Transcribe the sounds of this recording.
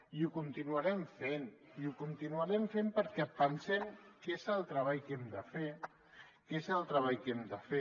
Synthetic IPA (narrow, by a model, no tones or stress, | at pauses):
iukunt̪inuaɾɛmfeniukunt̪inuaɾɛmfempəɾkɛpənsɛmkezəlˠt̪ɾəβ̞aʎkɛmd̪əfe | kezəlˠt̪ɾəβaʎkɛmd̪əfe